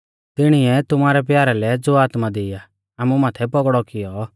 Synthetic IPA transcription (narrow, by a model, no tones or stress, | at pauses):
t̪ɪɽ̃iɛt̪ʊmaːɾɛp̬jaːɾalɛd͡zoaːt̪mad̪ɪja | aːmumaːt̪ʰɛpɔɡɽɔkɪjɔ